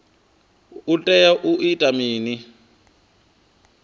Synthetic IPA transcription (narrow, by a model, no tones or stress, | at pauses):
utʼɛjaʔuʔitʼamiːni